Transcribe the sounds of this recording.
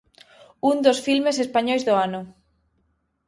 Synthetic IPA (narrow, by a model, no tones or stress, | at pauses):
und̪osfilmesespaɲɔjzðoanʊ